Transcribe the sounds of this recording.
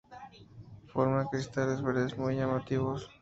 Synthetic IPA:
foɾmakɾist̪alezβeɾðezmujʝamat̪iβos

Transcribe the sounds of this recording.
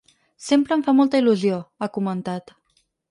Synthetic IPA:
sempɾəːɱfamɔlˠt̪əiluzioakumənt̪at̪

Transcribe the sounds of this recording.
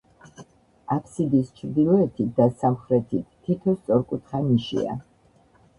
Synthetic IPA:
apʰsid̪iːst͡ʃʰɾd̪ilˠɔɛt̪ʰit̪̚d̪asamχɾɛt̪ʰit̪ʰːit̪ʰɔst̪sʼɔɾkʼut̪ʰχaniʃḭa̰

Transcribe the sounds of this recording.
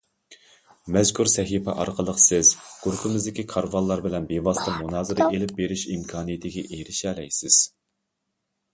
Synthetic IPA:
mɛzkʰuɾsɛɦipɛ̰ʔɑ̰ɾqʰəlˠəqʰsɪzɡ̥uɾpʰɪmɪzd̪ɪkʲikʰɑɾvɑlˠːɑɾbɪlɛnbevɑst̪ɑmunɑːzɨɾɨʔelɪp̚beɾyʃimkʰɑːnɨjɪt̪ʰɪɡʲɛʔeɾɪʃɛlɛjsɪz̥

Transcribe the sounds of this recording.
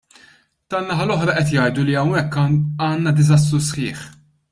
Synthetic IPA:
t̪ɐlːɐħɐlɔħɾɐʔɛt̪jɐjd̪uliɐwnɛkːɐːnːɐd̪ɪzɐs̬t̪ɾusħɪːħ

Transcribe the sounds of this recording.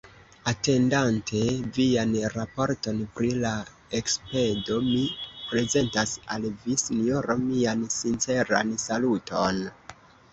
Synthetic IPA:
ate̞ndantʰe̞vianɾapo̞ɾto̞npɾila | ekspe̞do̞mipɾe̞ze̞ntasa̰lvisinio̞ɾo̞miansint͡se̞ɾa̰nsalutʰo̞̰n

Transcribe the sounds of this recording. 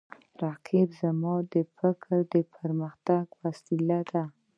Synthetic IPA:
ɾɑqʰɪbzamɑd̪əfɪkʰɾd̪əpʰəɾməxt̪aɡfasilad̪a

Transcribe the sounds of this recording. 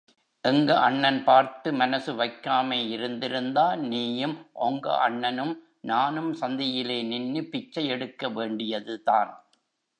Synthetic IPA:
ʔɛŋɡɐʔɐɳːɐnpaːɾt̪ɯmɐnɐsɯʋɐɪkːaːmeːɪɾɯnd̪ɪɾɯnd̪aːniːjɯmʔɔŋɡɐ̰ʔɐɳːɐnɯm | naːnɯmsɐnd̪ɪjɪleːnɪnːɯpɪt͡ʃːɐjɛɽɯkːɐʋeːɳɖɪjɐðɯðaːn

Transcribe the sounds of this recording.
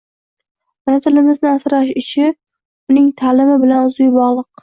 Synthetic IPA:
manɪt̪ʰɪlɪmɪznɪasɾaʃɪʃʰɪ | ʊnɪŋt̪ʰalɪmɪbɪlanʊzʊjbɒʁlˠɨq̚

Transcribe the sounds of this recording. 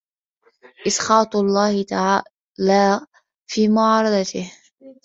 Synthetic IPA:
ʔɪsqɑːt̪ˤlˤːɑːhɪt̪aʕa | laː | fiːmʊʕɑːɾˤɑd̪ɑt̪ɪh

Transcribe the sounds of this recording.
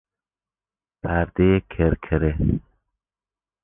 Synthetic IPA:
pʰaɾd̪eekʰeɾkʰəɾe

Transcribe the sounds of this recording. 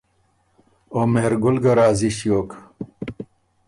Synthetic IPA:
omeɾɡʊlɡɐɾaːziɕjoːk

